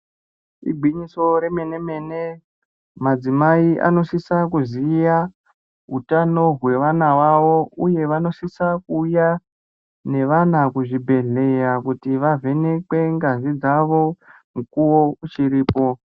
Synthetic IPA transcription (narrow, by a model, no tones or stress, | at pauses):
ḭɡʱiɲiso̞ɾe̞me̞ne̞me̞ne | mad͡zimaiʔa̰no̞sisakuzija | ɦutano̞ɦwe̞ʋanawaʋo̞uje̞ʋano̞sisakuːja | ne̞ʋanakuʐibʱe̞ɮe̞jakutiʋave̞ne̞kwe̞ŋɡazid͡zaʋo̞ | mukuwo̞ut͡ʃiɾiːpo̞